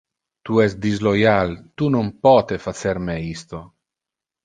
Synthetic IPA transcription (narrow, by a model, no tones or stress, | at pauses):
t̪uɛsd̪izlojalt̪unompɔt̪efat̪seɾmeist̪o